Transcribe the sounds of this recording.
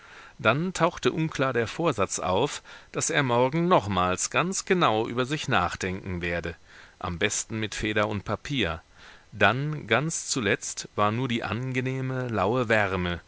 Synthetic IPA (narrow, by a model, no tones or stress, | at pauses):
d̥antʰaʊxtəʔʊnkl̥aːɐdeːɐfoːɐzat͡sʔa̰ʊfd̥asʔeːɐmɔɐɡŋ̩nɔχmaːlsɡ̥ant͡sɡ̥ənaʊʔy̰ːbɐzɪçnaːχd̥ɛŋkŋ̩veːɐdəʔa̰mbɛstn̩mɪtfeːɾɐʊnt̚pʰapʰiːɐ | d̥anɡant͡st͡sulɛt͡stv̥aːɐnuːɐdiːʔa̰nɡəneːməlaʊəvɛʁmə